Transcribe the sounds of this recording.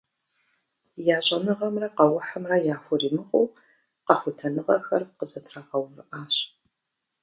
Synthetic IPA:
jaːɕʼɐnɨʁɐmrɐqɐwʊħɐmrɐjaːxʷʊriːmɨqʼʊw | qɐħʷʊtʰɐnɨʁɐ̰xɐrqəzɐtʰrɐʁɐwvɨʔaːɕ

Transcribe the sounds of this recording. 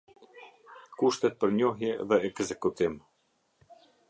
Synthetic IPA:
kuʃt̪ɛt̪̚pəɾɲɔɦjɛðɛɛɡzɛkut̪im

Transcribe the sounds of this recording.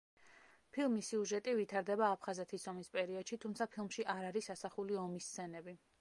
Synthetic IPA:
pʰilˠmisiuʒɛt̪ʼivit̪ʰaɾd̪ɛbaːpʰχazɛt̪ʰisɔmispʼɛɾiɔd̪ʃit̪ʰumt̪sʰapʰilˠmʃiʔaɾaɾisasaχuliɔmist̪sʰɛnɛbi

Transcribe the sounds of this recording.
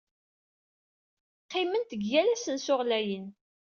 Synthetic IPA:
qːɪmənt̪əɡjælæsənsʊʁlæjən

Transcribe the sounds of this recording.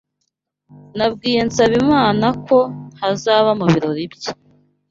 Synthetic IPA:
nab̚ɡiːjensaβimŋaːnakʰo̞hazaːβamuβiɾo̞ɾibja

